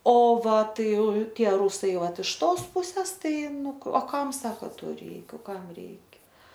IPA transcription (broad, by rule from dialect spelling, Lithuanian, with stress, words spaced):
oː ˈʋɐ ˈtɐɪ ˈtʲiɛ ˈruːsɐɪ ˈʋɐt ɪʃ ˈtoːs ˈpuːsʲɛs ˈtɐɪ ˈnʊ oː ˈkɐm ˈsɑːkoː ˈtoː ˈrʲɛɪk ˈkɐm ˈrʲɛɪkʲɛ